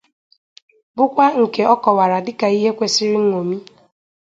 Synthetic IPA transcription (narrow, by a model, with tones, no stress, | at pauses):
bʊ˦kʷa˦ŋ̩˨ke˨˦ɔ˦kɔ˨wa˨ɾa˨dɪ˦ka˨i˦ɦe˦kʷe˦sɪ˦ɾɪ˦ŋ̩˦ŋʷo˨mi˦